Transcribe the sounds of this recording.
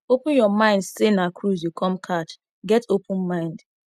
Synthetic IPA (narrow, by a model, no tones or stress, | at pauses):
opʊ̃njɔmãɪ̃ndsenakʰɾuzjukʰɔ̃mkʰat͡ʃ | ɡɛtopʊ̃nmãɪ̃nd